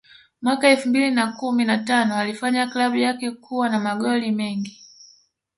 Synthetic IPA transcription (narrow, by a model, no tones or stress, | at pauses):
mwakaɛlfumbilinakuminatanɔalifaɲaklaɓujakɛkuwanamaɠɔlimɛŋɡi